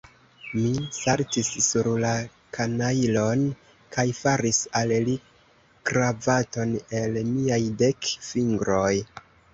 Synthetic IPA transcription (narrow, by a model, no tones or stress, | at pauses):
misaɾtisːuɾla | kʰanailo̞n | kʰajfaɾisalli | kɾavato̞ne̞lmiajde̞kfiŋɡɾo̞j